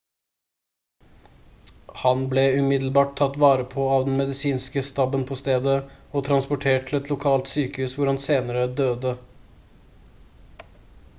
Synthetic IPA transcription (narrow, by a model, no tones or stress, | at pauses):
hɑnblɛʉmɪd̪lbɑːʈ̚t̪ʰːɑt̪ːʋɑːɾəpʰoːɑːʋd̪ɛn̩mɛd̪ɪsiːnskəst̪ɑbənpʰɔst̪eːd̪əɔt̪ʰɾɑnspʊʈʰeːʈʈʰːɪl̩ɛt̪ʰlʊkʰɑːlt̪syːkəhʉːsʋʊɾhɑnseːnəɾəd̪øːd̪ə